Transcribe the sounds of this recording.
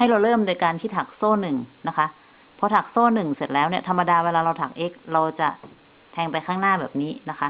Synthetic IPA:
ha˥˩jɾa˧wɾɤː˥˩mduː˧jkaː˧nt̪ʰiː˥˩t̪ʰa˨˩k̚soː˥˩nɯ˨˩ŋna˦˥kʰa˦˥ʔ | pʰɔ˦˥t̪ʰa˨˩k̚soː˥˩nɯ˨˩ŋse˨˩t̪̚lɛː˦˥wni˥˩ɐt̪ʰa˧mːa˧daː˧weː˧laː˧ɾa˧wt̪ʰa˨˩k̚ʔe˦˥k̚ɾa˧wt͡ɕa˨˩ | t̪ʰɛː˧ŋpa˧jkʰaː˥˩ŋnaː˥˩bɛː˨˩p̚niː˦˥na˦˥kʰa˦˥

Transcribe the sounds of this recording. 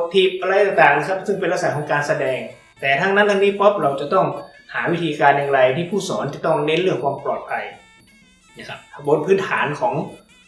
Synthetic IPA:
t̪ʰi˧˩p̚ʔa˧ɾa˧jt̪aː˨˧˩ŋt̪aː˨˩ŋnaː˧˩kʰa˥p̚sɯ˥˩ŋpe˧nʔaː˧˥˩sa˨˦jkɔː˩˦ŋkaː˧nsa˧dɛː˧ŋ | t̪ɛː˨˩t̪ʰaː˧˥˩ŋna˧˥˨t̪ʰaː˧niː˧˥˨pɔ˦˥p̚ɾa˧wt͡ɕa˨˩˦t̪ɔ˥˩ŋ | haː˩˦wi˦˥˩t̪ʰiː˧kaː˧njaː˧ŋɾa˧jt̪ʰiː˧˥˩pʰuː˥˩sɔː˩˦nt͡ɕa˨˧˩t̪ɔ˥˩ŋne˦˥nlɯ˥˩əŋkʰwaː˧mplɔː˨˩t̪̚pʰa˧j | bo˧˥npʰɯː˦˥nt̪ʰaː˩˦nkʰɔː˩˦ŋ

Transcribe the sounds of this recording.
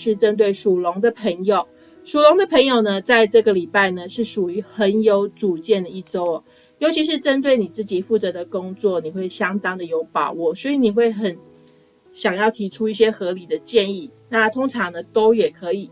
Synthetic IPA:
ʂɻ̩˥˩ʈ͡ʂə˥nt̪we˥˩ɪʂu˨˩lʊ˧˥ŋd̪ə˨pʰə˧˥ŋjo˨˩ʊ | ʂu˨˩lʊ˧˥ŋd̪ə˨pʰə˧˥ŋjo˨˩ʊnə˨t͡sa˥˧ɪʈ͡ʂɤ˥˩ɡə˩li˨˩pa˥˩ɪnə˩ʂɻ̩˥˩ʂu˨˩y˧˥xə˧˦njo˧˥ʊʈ͡ʂu˨˩t͡ɕjɛ˥˩nd̪ə˩i˥˩ʈ͡ʂo˥ʊ˨ | jo˧˥ʊt͡ɕʰi˧˥ʂ̬ɻ̩˥˧ʈ͡ʂə˥nt̪we˥˩ɪni˨˩t͡sɹ̩˥˩t͡ɕi˨˩fu˥˩t͡sɤ˧˥d̪ə˨kʊ˥ŋt͡swɔ˥˩ni˨˩xwe˥˩ɪɕjɑ˥ŋt̪ɑ˥ŋd̪ə˨jo˧˥ʊpɑ˨˩ʊwɔ˥˩swɔ˧˥i˨ni˨˩xwe˥˩ɪxə˨˩n | ɕjɑ˨˩ŋjɑ˥˩ʊt̪ʰi˧˥ʈ͡ʂʰu˥i˥˩ɕ̬jɛ˥xɤ˧˥li˨˩d̪ə˦t͡ɕjɛ˥˧ni˥˩na˥˨t̪ʰo˥ŋʈ͡ʂʰɑ˧˥ŋnə˧t̪o˥ʊjɛ˨˩kʰɤ˧˥i˨˩

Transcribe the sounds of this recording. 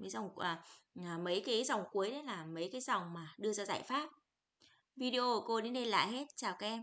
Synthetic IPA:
mə˨˦jza˨˩wŋ͡mʔəː˨˩˨mə˨˦jkaː˨˦jzɔ˨˩wŋ͡mku˨˦əjɗə˨˦jlaː˨˩mə˨˦jkaː˨˦jzɔ˨˩wŋ͡mmaː˨˩ɗɨ˧əzaː˧za̰ː˧˨jfaː˦˥t̚ | vi˧ɗe˧ʔo˧u˧˩ko˧ɗe˨˦nɗə˧jla̰ː˧˨jɦe˦˥t̚t͡ɕaː˨˩wkaː˨˦jʔɛ˧m

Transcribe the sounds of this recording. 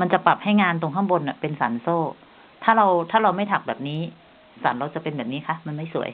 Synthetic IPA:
ma˧nt͡ɕa˨˩pa˨˩p̚ha˥˩jŋaː˧nt̪o˧ŋkʰa˥˩ŋbo˧nʔa˨˩pe˧nsa̰˩˦nsoː˥˩ | t̪ʰaː˥˩ɾa˧wt̪ʰaː˥˩ɾa˧wma˥˩jt̪ʰa˨˩k̚bɛː˨˩p̚niː˦˥ | sa̰ː˩˦nɾa˧wt͡ɕa˨˩pe˧nbɛː˨˩p̚niː˦˥kʰa˦˥ma˧nma˥˩jsu˩˦əj

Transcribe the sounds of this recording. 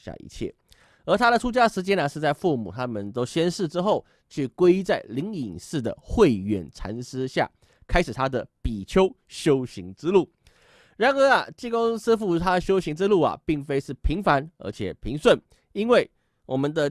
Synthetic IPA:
ɕja̰˥˧˩ʔḭ˧˥t͡ɕʰjɛ̰˥˩ | ə˞˧˥t̪ʰa˥ɾə˨ʈ͡ʂʰu˥t͡ɕja˥ʂɻ̩˧˥t͡ɕjɛ˥nɐ˨ʂɻ̩˥˧t͡sa˥˧ɪfu˥˩mṵ˨˩t̪ʰa˥mə˨nt̪o˥ʊɕjɛ˥nʂɻ̩˥˧ʈ͡ʂɻ̩˥xo˥˩ʊ | t͡ɕʰy˥˩kwe˥ɪ˥t͡sa˥˩ɪli˧˥ŋi˨˩ŋʂɻ̩˥˩d̪ə̰˨˩xwe˥˩ɪɥɛ̰˨˩nʈ͡ʂʰa̰˧˥nʂɻ̩˥ɕja̰˥˩ | kʰa˥ɪʂɻ̩˨˩t̪ʰa˥d̪ə˨pi˨˩t͡ɕʰjo˥ʊ | ɕjo˥ʊɕi˧˥ŋʈ͡ʂɻ̩˥lu˥˩ | ɻa˧˥nə˧˥ɐ˨t͡ɕi˥˧ko˥ŋs̩˥fu˥˩t̪ʰa˥d̪ə˨ɕjo˥ʊɕi˧˥ŋʈ͡ʂɻ̩˥lu˥˩ɐ̰˨˩pi˥˩ŋfe˥ɪʂɻ̩˥˩pʰi˧˥ŋfa˧˥nə̰˧˥t͡ɕʰjɛ̰˨˩pʰi˧˥ŋswə˥˩n | i˥nwe˥˩ɪ | wʔɔ˨˩mə˨nd̪ə˧

